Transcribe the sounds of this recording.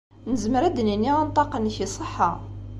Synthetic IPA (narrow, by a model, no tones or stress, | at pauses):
nəzməɾæd̪ninːiʁænt̪ˤɑqənːçisˤəħːɑ